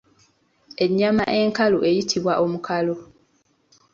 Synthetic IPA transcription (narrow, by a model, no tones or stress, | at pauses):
e̞ɲːama̰ʔe̞ŋkaloʔe̞jitʰiβwaʔo̞mukʰalo